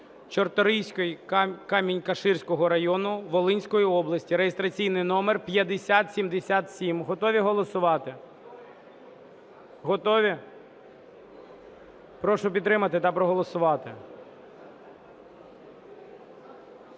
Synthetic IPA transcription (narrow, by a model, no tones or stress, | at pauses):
t͡ʃɔrt̪ɔɾijsʲkɔjkɑmʲinʲkɐʃɪrsʲkɔɦɔɾɐjɔnʊʋɔlˠɪnʲsʲkɔjiɔblˠɐsʲtʲiɾejest̪ɾɐt͡sʲijnɪjnɔmerpʲjɐd̪esʲat̪sʲimd̪esʲat̪sʲimɦɔt̪ɔʋʲiɦɔlˠɔsʊʋɑt̪ɪ | ɦɔt̪ɔʋʲi | pɾɔʃʊpʲid̪ːɾɪmɐt̪ɪt̪ɐpɾɔɦɔlˠɔsʊʋɑt̪ɪ̰